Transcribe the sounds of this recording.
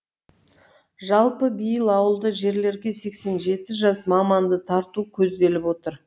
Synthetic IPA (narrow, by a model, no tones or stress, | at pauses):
ʒɑlˠpəbijɪlˠɑwəlˠd̪əʒe̞ɾle̞ɾɡʲe̞se̞kse̞nʒe̞t̪ɪʒɑsmɑmɑnd̪ət̪ʰɑɾt̪ukʲʰɵzd̪e̞lɪpwo̞t̪əɾ